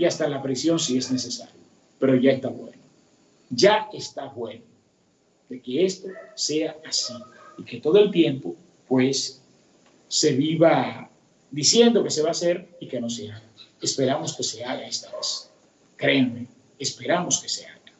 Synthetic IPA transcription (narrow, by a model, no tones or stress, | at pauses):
iast̪alapɾesjo̞nsie̞zne̞se̞sa̰ɾjo | pe̞ɾo̞ʝaest̪aβwe̞̰no | ʝae̞st̪aβwe̞no | d̪e̞ke̞e̞st̪o̞se̞aasi | ike̞t̪o̞ðo̞e̞lt̪je̞mpo̞ | pwe̞s | e̞βiβa | d̪isje̞nd̪o̞ke̞se̞βaːse̞ɾike̞no̞s̬eaɣaespe̞ɾamo̞ske̞se̞aɣae̞st̪aβes | kɾe̞meː | spe̞ɾamo̞ske̞se̞a̰ɣa